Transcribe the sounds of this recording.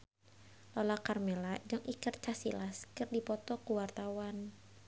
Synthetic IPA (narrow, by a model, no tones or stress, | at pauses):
lɔlakarmeladaŋʔikərt͡ʃasḭlaskɨrdipɔt̪ɔkuwart̪awan